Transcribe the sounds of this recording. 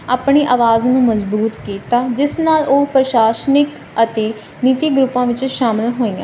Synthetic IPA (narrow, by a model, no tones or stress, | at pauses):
aːpɳiːʔaːʋaːznũːməzbuːt̪kiːt̪aːd͡ʒɪsnaːlʔoːpɾəʃaːʃnɪk | ət̪eː | niːt̪iːɡɾʊpːãːʋɪt͡ʃʃaːmɪlɦoːiːã̰ː